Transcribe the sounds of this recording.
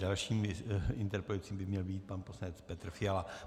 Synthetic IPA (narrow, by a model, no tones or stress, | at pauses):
dalʃiːmɪnt̪ɛɾpɾɛlut͡siːmbɪmɲɛlbiːt̪̚panposlaɲɛt͡spɛt̪ɾfɪala